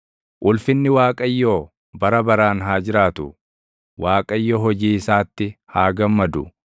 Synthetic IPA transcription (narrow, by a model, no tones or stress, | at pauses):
ʔʊlfɪnːɪwaːkʼɐjːoː | bɐɾɐbɐɾaːnɦaːd͡ʒɪɾaːt̪ʊ | waːkʼɐjːoːɦɔd͡ʒiːɪsaːt̪ːɪhaːɡɐmːɐd̪ʊ